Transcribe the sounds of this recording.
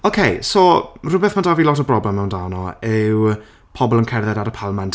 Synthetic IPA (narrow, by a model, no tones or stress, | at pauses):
okʰejsoːrʊbɛθmandaviːlˠɔtəbrɔblɛmːɛwndawnɔɪw | pʰɔbɔlˠənkʰɛrðɛdaɾəpʰalˠəmɛnt